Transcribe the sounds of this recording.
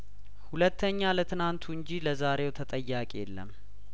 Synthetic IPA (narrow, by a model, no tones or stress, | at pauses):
hulət̪ʰːəɲːalət̪ʰɨnant̪ʰuɨɲd͡ʒiləzaɾe̞wt̪ʰət̪ʼəjːakʼjḛlːə̰m